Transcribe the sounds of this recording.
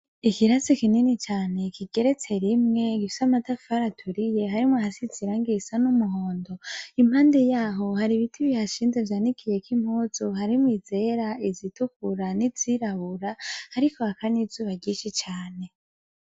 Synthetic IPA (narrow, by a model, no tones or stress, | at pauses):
ikiɾasikininit͡ʃaːne̞kiɡe̞ɾe̞t͡se̞ɾimŋe̞ɡifi̥samatafaɾatʰuɾije̞ɦaɾimwahasiziɾaŋɡisanumuɦo̞ːndo̞imhaːnde̞jaːɦo̞haɾiβitʰiβihaʃiːnzevjaːnikʰije̞kim̥huːz̥uhaɾimwize̞ɾaizitukuɾaniz̥iɾaβuɾahaɾikohakanizuːβaɾɟiːʃit͡ʃaːne̞